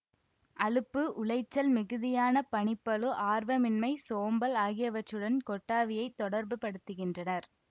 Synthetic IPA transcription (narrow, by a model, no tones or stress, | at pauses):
ʔɐɭɯpːɯʔʊɭɐɪt͡ʃːɐlmɪɣɯðɪjaːnɐpɐɳɪpːɐlɯʔaːɾʋɐmɪnmɐɪsoːmbɐlaːɣɪjɐʋɐt͡ʃːɯɽɐnkɔʈːaːʋɪjɐɪt̪ːɔɽɐɾbɯpɐɽɯt̪ːɯɣɪndrɐnɐɾ